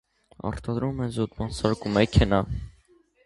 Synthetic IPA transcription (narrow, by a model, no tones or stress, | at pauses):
ɑ̰ɾt̪ʰɑd̪ɾumɛnzut̪mɑnsɑɾkumɛkʰɛnɑ